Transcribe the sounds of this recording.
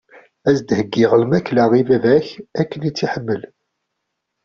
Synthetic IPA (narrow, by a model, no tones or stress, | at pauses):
æzd̪həɡːɪʁəlmæklaʁivævæçækːənit͡sːiħəmːəl